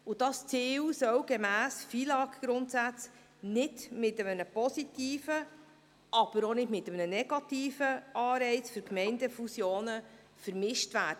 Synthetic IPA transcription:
ʊd̥ɑst͡siːwsœwɡemæːsfiːlɑːɡɡ̥ɾʊntsæt͡s | nɪdmɪtəmənəpɔsitiːfə | ʔɑb̥əɾonɪdmɪt̪əmənənɛɡ̥ɑt̪iːfəʔɑːɾɛɪt͡sfʏɾkmɛɪndəfusjoːnə | fəɾmɪʃtʋæːd̥ə

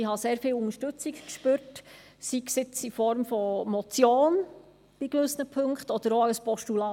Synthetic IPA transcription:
iɦɑseːɾfiːlʊŋəʃtʉt͡sikkʃpøɾt | siksɪt͡sifɔɾmfɔmɔt͡sjoːn | b̥ikʋɵsnəpʰɵŋkχtɔd̥əɾoœəspɔʃtulɑː

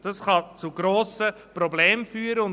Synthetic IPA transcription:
d̥ɑsχɑt͡suɡ̥ɾoːsə | pɾɔbleːmfyːəɾəʊn

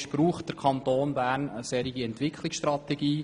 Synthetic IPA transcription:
ʃb̥ɾuːχt̚d̥əɾkʰɑnt̪oːnbæːɾnəsɛɾiɡiɛntʋɪkʰlɪksʃtrɑtɛɡiː

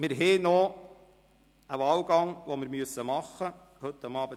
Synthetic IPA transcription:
mɪɾɦeːnɔ | əʋɑːwɡɑŋʋɔmɪɾmyəsːəmɑχːə | hɵt̪ːɑmɑːbə

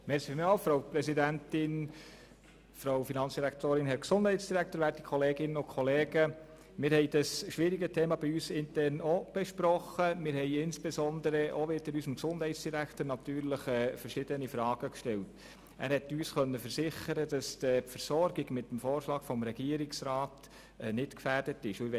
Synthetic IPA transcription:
mɛɾsifmɑfɾoʊpɾɛsidæntɪn | fɾawfinɑnsd̥iɾækt̪oːɾɪnɦɛɾksʊnd̥hɛɪtsd̥iɾæk̚t̪əɾʋæːɾti̥kʰχɔleːɡɪnəʊkʰχɔleːɡə | mɪːɾhɛɪd̥ɑsʃʋɪɾiɡətʰeːmɑb̥iyːsɪntɛɾnob̥eʃpɾɔχəmɪɾhɛɪɪnsb̥ɛsɔnd̪əɾəʔoʋɪd̥əɾysəmksʊnd̥hɛɪtt͡sd̥iɾæktəɾnɑtyːɾləχɛːfəɾʃɪd̥ənifɾɑːɡ̥əkʃtɛlt | æ̰ːɾhɛtːyːsχœnːəfəɾsɪχəɾəd̥ɑsd̥əpfəɾsɔɾɡiɡmɪtːəm̩foːɾʃlɑːɡ̥fɔmɾɛɡ̥iːəɾɪksɾɑːtː | nɪtkfærd̥ətɪʃʊɛ

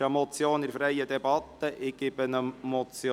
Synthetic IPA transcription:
əmɔt͡sjoːnɪɾfɾɛjəd̪ɛbɑt̪ːəʔɪɡɪb̥ənəmɔt͡sj

